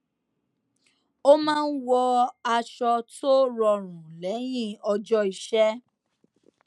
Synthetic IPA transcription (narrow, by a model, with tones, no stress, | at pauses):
o˦mãː˦˧n̩˦wɔ˧a˧ʃɔ˧to˦ɾɔ˧ɾ̃ũ˨lɛ˨˦j̃ĩ˦˨ɔ˧d͡ʒɔ˦i˨ʃɛ˦